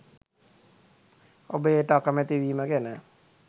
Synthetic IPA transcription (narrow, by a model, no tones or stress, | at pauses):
obəeːʈəakəmet̪iʋiːməkenə